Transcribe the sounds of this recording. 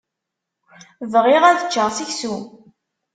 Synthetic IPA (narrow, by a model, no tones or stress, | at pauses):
vʁɪʁæðət͡ʃːəʁsiçsu